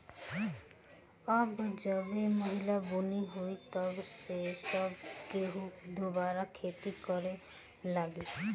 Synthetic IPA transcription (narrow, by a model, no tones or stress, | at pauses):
ɔbd͡ʒɔbemoɦilabuniɦojt̪ɔbsesɔbkeɦũd̪ubaɾakʰet̪ikɔɾe | laɡi